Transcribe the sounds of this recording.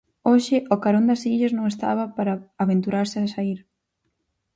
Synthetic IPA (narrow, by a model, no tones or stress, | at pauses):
oʃɪʔʊkaɾond̪ɐsiʎɐsnõŋest̪a̰βɐpaɾɐaβent̪uɾaɾsɪasaiɾ